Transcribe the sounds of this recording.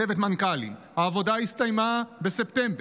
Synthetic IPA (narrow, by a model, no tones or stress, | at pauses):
evet̪mankalḭmhaːvo̞daist̪ajmabe̞se̞pt̪embe